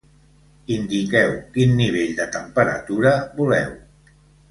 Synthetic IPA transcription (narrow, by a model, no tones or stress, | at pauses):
ind̪ikɛwkinːiβ̞eʎd̪ət̪əmpəɾə̰t̪uɾəβulɛ̰w